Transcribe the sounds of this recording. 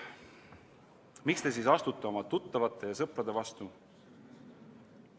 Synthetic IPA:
mikst̪e̞siːsɑst̪ut̪ːˑeo̞mɑt̪ut̪ːɑvɑt̪ːˑe̞jɑsɤpɾɑd̪e̞vɑst̪u

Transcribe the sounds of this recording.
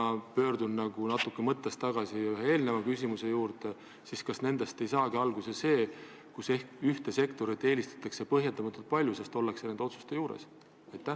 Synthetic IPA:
ɑpø̞ːrd̪unnɑɡ̥unɑt̪ːˑukːˑemɤt̪ːˑest̪ɑɡ̥ɑsiyɦee̞ːlne̞vɑkysʲimuse̞juːrd̪̥e | siskɑsne̞nd̪̥e̞st̪e̞jsɑːɡiɑlɡ̥use̞se̞ː | kuse̞hkyht̪e̞se̞kt̪o̞ɾit̪ːˑe̞ːlist̪ɑ̥t̪ˑːɑkse̞pɤɦjent̪ɑmɑt̪ːˑult̪̚pɑlʲjusest̪o̞lːeksened̪eo̞t̪su̥st̪e̞juːɾḛs | ɑjt̪ˑːæ

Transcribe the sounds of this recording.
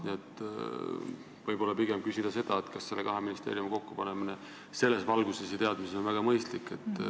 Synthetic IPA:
niet̪ː | vɤjbo̞lːɑpiɡ̥emkysid̪̥ɑse̞d̪̥ɑet̪kɑsse̞lːekɑɦeminist̪e̞̰ːɾjumko̞kːupɑnemine | se̞lːe̞svɑlɡ̥use̞sjɑt̪e̞ɑd̪miseo̞nvæɡ̥ɑmɤjst̪likːˑe̞t̪ˑː

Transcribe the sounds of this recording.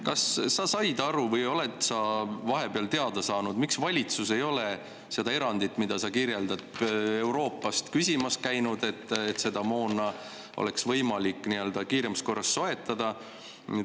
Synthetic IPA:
kɑsːɑsɑjd̪ɑɾuvɤjo̞le̞t̪sɑvɑɦe̞beɑlt̪e̞ɑd̪ɑsɑːnud̪̥miksvɑlʲit̪suse̞jo̞le | sed̪ɑe̞ɾɑnd̪it̪ːˑmid̪̥ɑsɑkiɾje̞ld̪ɑd̪̥̚e̞wɾo̞ːpːˑɑst̪kysʲimɑskæjnud̪̥e̞t̪ːet̪ːse̞d̪̥ɑmo̞ːnːɑ | ʔo̰le̞ksvɤjmɑlikːˑniø̞ld̪̥ɑkiːɾemɑsko̞rːɑsːo̞e̞t̪ːˑɑd̪̥ɑ

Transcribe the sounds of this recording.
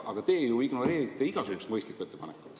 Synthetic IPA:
ʔɑɡ̥ɑt̪e̞ːejuwiɡ̥noɾe̞ːɾit̪ːˑeiɡ̥ɑsuhust̪mɤjst̪likːˑue̞t̪ːe̞pɑnekːˑu̥t̪ːˑ

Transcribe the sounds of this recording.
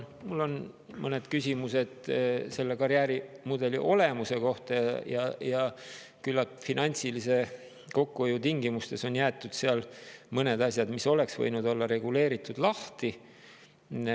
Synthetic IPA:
mulːo̞n | mɤned̪̥kysʲimuse̞d̪̥se̞lːekɑɾjæːɾimud̪̥e̞lḭʔo̞le̞muse̞ko̞ht̪ɑjɑjɑjɑ | kylːɑt̪finɑnʲt̪silise̞ | ko̞kːuojut̪iŋɡimust̪e̞so̞njæːt̪ːˑud̪̥seɑlmɤne̞d̪ɑsjɑd̪̥miso̞le̞ksvɤ̰jnud̪̥o̞lːɑɾe̞ɡ̥ule̞ːɾit̪ːˑud̪̥lɑht̪i

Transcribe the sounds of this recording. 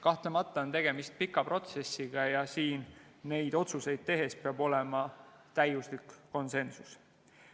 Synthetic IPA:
kɑht̪lemɑt̪ˑːɑont̪e̞ɡ̥e̞mist̪̚pikːˑɑpro̞t̪se̞sːiɡ̥ɑjɑsiːnː | e̞jd̪̥o̞t̪suse̞jd̪̥̚t̪e̞ɦe̞speɑbo̞le̞mɑ | t̪æjuslikːo̞nse̞nsus

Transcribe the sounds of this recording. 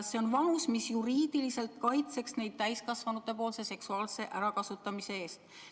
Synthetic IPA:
sːe̞onvɑmusmisjuɾiːd̪̥ilise̞lt̪̚kɑjt̪se̞ksne̞jd̪̥̚t̪æjskɑsvɑnut̪ːˑe̞po̞ːlse̞se̞ksuɑːlse̞ʔæɾɑkɑsut̪ːˑɑmise̞e̞ːst̪

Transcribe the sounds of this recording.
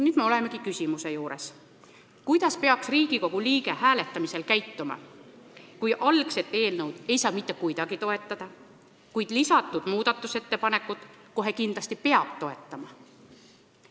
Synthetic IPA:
nyːd̪me̞o̞lemekikysʲimuse̞juːɾe̞s | kujd̪̥ɑspe̞ɑksriːɡ̥iko̞ɡ̥uliːɡe̞hæːle̞t̪ːˑɑmise̞lkæjt̪ːumɑ̰ | kujʔɑlɡse̞t̪ːˑe̞ːlnɤwd̪̥e̞jsɑːmit̪ːe̞kujd̪ɑɡit̪o̞e̞t̪ːˑɑd̪̥ɑ | kujd̪̥lisɑt̪ːˑud̪̥muːd̪̥ɑt̪ːˑuse̞t̪ːe̞pɑne̞kːˑud̪̥ | ko̞ɦe̞kind̪lɑsʲt̪ipe̞ɑb̥t̪o̞e̞t̪ːˑɑmɑ

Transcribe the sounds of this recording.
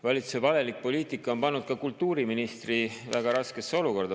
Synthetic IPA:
vɑlʲit̪su̥evɑle̞lik̚po̞liːt̪ikːˑɑo̞npɑnːud̪̥kɑkult̪ːˑuːɾiminist̪rivæɡ̥ɑɾɑske̞sːeo̞luko̞rd̪ɑ

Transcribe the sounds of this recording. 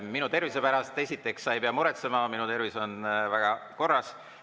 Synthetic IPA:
minut̪e̞rvise̞pæɾɑst̪e̞sʲit̪ːˑe̞ksːɑejpeɑmuɾet̪semɑminut̪e̞ɾviso̞nvæɡ̥ɑko̞rːɑs

